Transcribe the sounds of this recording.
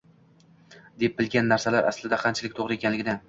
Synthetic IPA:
d̪e̞p̚bɪlɡʲanːaɾsalaɾʔa̰slɪd̪aqʰɑnt͡ʃʰɪlɪk̚ʲt̪ʰoʁɾɪe̞kʲʰanlɪɡʲɪd̪a

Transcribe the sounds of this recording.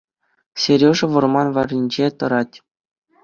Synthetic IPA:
sʲeɾʲoʐɘ̆ʋɤ̆rmɑnʋɑrʲinʲd͡ʑet̪ɤ̆ɾɑtʲ

